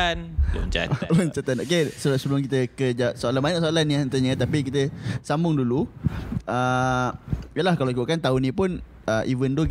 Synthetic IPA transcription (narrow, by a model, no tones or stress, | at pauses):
nṵɲt͡ʃa̰luɲt͡ʃat̪anokeslsəblʊŋkit̪əkəd͡ʒaʔsoalanmaɲaʔsoalanːiant̪əɲət̪apikit̪əsambʊŋdulu | ə | ijəlahkalaoikuʔkant̪aunĩpʊn | əʔivəndu